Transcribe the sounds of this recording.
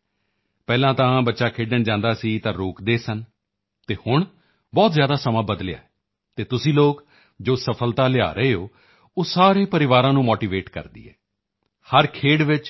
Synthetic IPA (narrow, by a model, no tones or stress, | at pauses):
pɛːlãːt̪ãːbətːʃaːkʰeːɖəɳd͡ʒãːnd̪aːsiːt̪ãːɾoːkd̪eːsən | t̪eːhʊɳ | bɔːt̪zjaːd̪aːsəmãːbəd̪lɪja̰ːɛ | t̪eːt̪ʊsĩːloːk | d͡ʒoːsəpʰəlt̪aːlɪa̰ːɾəeːɦoː | oːsaːɾeːpəɾɪʋaːɾãːnũːmoːʈiːʋeːʈkə̰ɾd̪ḭːɦɛ̰ː | həɾkʰeːɽʋɪt͡ʃ